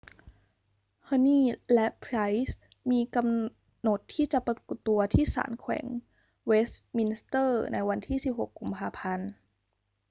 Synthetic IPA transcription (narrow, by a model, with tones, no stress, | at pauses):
hʰɤ˧niː˥˩lɛ˦˥ʔpʰɾa˦˥js | miː˧ka˧m | no˨˩t̪ʰːiː˥˩t͡ɕa˨˩pa˧ku˨˩t̪ːu˧ɐt̪ʰiː˥˩sa̰ː˩˦nkʰwɛ̰˩˦ŋ | we˦˥smi˧nst̪ɤː˥˩na˧jwa˧nt̪ʰiː˥˩si˨˩p̚ɦo˨˩kːu˧mpʰaː˧pʰa˧n